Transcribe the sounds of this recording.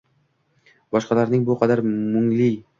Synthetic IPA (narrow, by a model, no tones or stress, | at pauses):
bɒʃqɑlaɾnɪŋbʊqʰɑd̪aɾmʊŋlɪ